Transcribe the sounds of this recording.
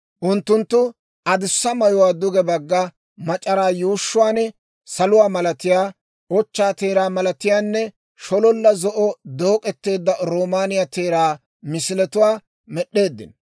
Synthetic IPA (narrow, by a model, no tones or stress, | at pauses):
ʔʊnt̪ːʊnt̪ːʊ | ɐd̪ɪsːɐmɐjʊwaːd̪ʊɡɛbɐɡːɐ | mɐt͡ʃʼɐɾaːjuːʃːʊwaːnɛ | sɐlʊwaːmɐlɐt̪ɪjaː | ɔt͡ʃːaːt̪e̞ːɾaːmɐlɐt̪ɪjaːnːɛ | ʃɔlɔlːɐzɔʔɔd̪o̞ːkʼɛt̪ːe̞ːd̪ːɐɾoːmaːnɪjɐt̪e̞ːɾaː | mɪsɪlɛt̪ʊwaː | mɛɗːe̞ːd̪ːɪ̰n